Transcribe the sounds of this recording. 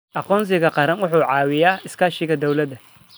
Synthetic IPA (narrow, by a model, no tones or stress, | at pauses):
ʔɐqɔːns̬ɪkɐqɑɾɐnwʊħuːʕɑːwɪjaːɪskaːʃɪkɐd̪ɔwlɐd̪ɐ